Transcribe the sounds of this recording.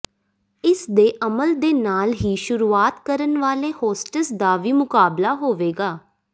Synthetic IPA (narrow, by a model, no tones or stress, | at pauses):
ɪsd̪eːʔəməld̪eːnaːlɦiːʃʊɾuːaːt̪kəɾənʋaːleːhoːsʈəsd̪aːʋiːmʊkaːblaːɦoːʋeːɡaː